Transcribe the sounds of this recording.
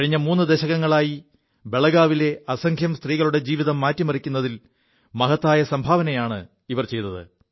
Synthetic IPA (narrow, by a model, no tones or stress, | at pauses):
ɐɻiɲːɐmuːnːɨd̪eɕɐɣɐŋːɐɭaːji | be̞ɭɐɡaːʋile̞ɐsɐŋɡʱjɐmst̪riːɣɐɭuɽe̞d͡ʑiːʋiðɐmːaːtːimɐrikʲːunːɐðil | mɐɦɐt̪ːaːjɐsɐmbʱaːʋɐnɐjaːɳɨ | iʋɐrt͡ɕe̞jt̪ːɐðɨ̰